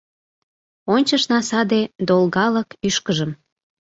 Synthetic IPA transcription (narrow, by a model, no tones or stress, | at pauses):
onʲt͡ɕəʃnɑsɑd̪ed̪olɣɑləkyʃkəʒəm